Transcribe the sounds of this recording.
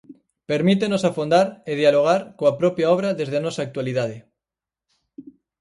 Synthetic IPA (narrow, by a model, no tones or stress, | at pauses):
peɾmit̪enosafond̪aɾeð̞jaloɣ̞aɾkoapɾopjaoβ̞ɾaðe̞zð̞eanosaːk̚t̪waliðað̞e